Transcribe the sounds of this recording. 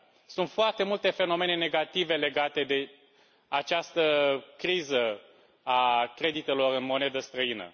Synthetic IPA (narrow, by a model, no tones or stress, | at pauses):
sunt̪foart̪e̞mult̪e̞fe̞no̞me̞ne̞ne̞ɡat̪ive̞le̞ɡat̪e̞d̪e̞ | at͡ʃast̪əkɾizə | akɾe̞d̪it̪e̞lo̞rɨnmo̞ne̞d̪əst̪ɾəinə̰